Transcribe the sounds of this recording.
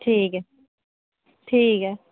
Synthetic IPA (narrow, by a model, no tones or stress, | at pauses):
ʈʰiːke | ʈʰiːkɛ